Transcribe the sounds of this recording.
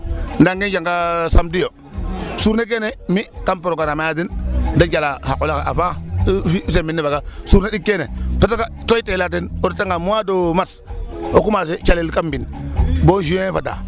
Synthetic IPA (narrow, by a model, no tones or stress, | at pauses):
ndaŋɡind͡ʒaŋɡasamdijo | suɾnek̬enemikampoɾoɡanamajat̬indand͡ʒalahakulakaʔa̰fafis̬eminːivaɡasuːɾneɗikːenepetakatoitelat̬inoditaŋɡamuwadomas | okumaset͡ʃalilkambinboʃuefada̰